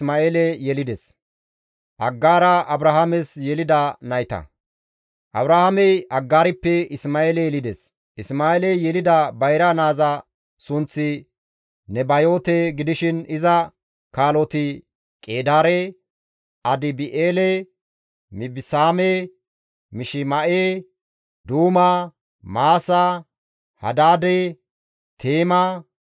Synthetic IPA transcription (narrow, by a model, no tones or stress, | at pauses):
maːeːlɛjɛlɪd̪ɛs | ʔɐɡːaːɾɐʔɐbɾɐhɐmɛsjɛlɪd̪ɐnɐjt̪ɐ̰ | ʔɐbɾɐhɐmɛjɐɡːaːɾɪpːɛɪsmaːeːlɛjɛlɪd̪ɛs | ɪsmaːeːlɛjɛlɪd̪ɐbɐjɾɐnaːzɐ | sʊnt͡sːɪ | nɛbɐjo̞ːt̪eɡɪd̪ɪʃɪnɪzɐ | kaːlɔt̪ɪ | kʼeːd̪aːɾe | ɐd̪ɪbɪʔeːlɛ | mɪbɪsaːme | mɪʃɪmɐʔe | d̪uːmɐ | maːsɐ | hɐ̰d̪aːd̪e | t̪ʰeːmɐ